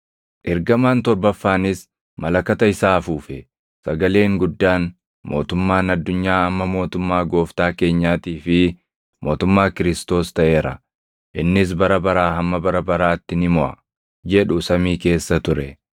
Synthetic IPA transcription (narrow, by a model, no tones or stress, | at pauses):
ʔɪɾɡɐmaːnt̪ɔɾbɐfːaːnɪs | mɐlɐkɐt̪ɐɪsaːfuːfɛ | sɐɡɐle̞ːŋɡʊd̪ːaːn | mo̞̰ːt̪ʊmːaːnɐd̪ːʊɲːaːɐmːɐmo̞ːt̪ʊmːaːɡo̞ːft̪aːke̞ːɲːaːt̪iːfɪ | mo̞ːt̪ʊmːaːkɪɾɪst̪o̞ːst̪ɐʔe̞ːɾɐ̰ | ʔɪnːɪs̬bɐɾɐbɐɾaːɦɐmːɐbɐɾɐbɐɾaːt̪ːɪnɪmɔʔɐ̰ | d͡ʒɛᶑʊsɐmiːke̞ːsːɐt̪ʊɾɛ